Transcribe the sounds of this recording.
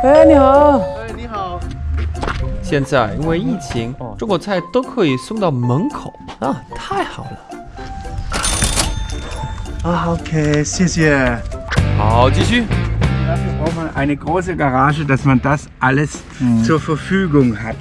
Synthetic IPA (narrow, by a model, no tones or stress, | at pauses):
enihɑʊenihaʊ | ɕjɛnt͡saɪḭnweɪit͡ɕʰiŋʈ͡ʂʊŋkwɔt͡sʰaɪt̪oʊkʰɤisʊŋt̪ɑʊməŋkʰoʊɐt̪ʰaɪxɑʊlə | aokʰeɪsjisi | xɑʊt͡ɕiɕydaːɐfyːbʁaʊxmanʔaɪnəɡʁoːsəɡaʁaːʒədasmandasʔaləs | t͡suːɐfɛɐfyːɡʊŋhat